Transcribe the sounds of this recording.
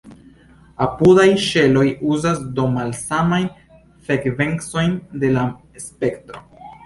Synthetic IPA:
apudajʃe̞lo̞juzasdo̞malsamajn | fekve̞ŋkso̞jnde̞la | spe̞ktɾo̞

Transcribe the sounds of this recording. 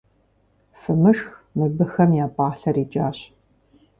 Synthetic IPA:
fɨmɨʂxmɨbɨxɐmjaːpʼaːɬɐriːd͡ʒʼaːɕ

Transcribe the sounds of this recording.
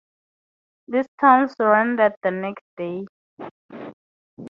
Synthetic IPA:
ðɪstʰãnsɹɛ̃ndæt̚ðənɛksd̥e

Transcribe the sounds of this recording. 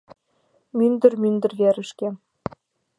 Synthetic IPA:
mynd̪ɘ̆rmynd̪ɘ̆rvʲæɾɘ̆ʃkʲe

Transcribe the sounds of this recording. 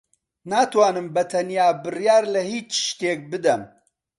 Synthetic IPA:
naːt̪waːnɨmbɐt̪ʰɐnjaːbɨrjaːɾlɐhiːt͡ʃʃt̪eːk̚bɨd̪ɐm

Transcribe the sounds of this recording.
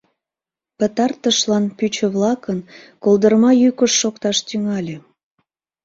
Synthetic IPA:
pət̪ɑrt̪əʃlɑnpyt͡ɕə̆βlɑkənkold̪ərmɑjykəʃːokt̪ɑʃt̪yŋɑlʲe

